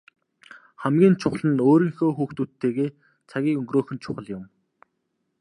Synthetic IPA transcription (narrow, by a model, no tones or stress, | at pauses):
χæmɡʲiːnt͡ɕʰʊχɮə̆noːɾiːŋxoːxuːxt̪uːt̪ʰːeːɣeː | t͡sʰaɣʲiːkɵŋɡroːxɵ̆nt͡ɕʰʊχə̆ɮjʊm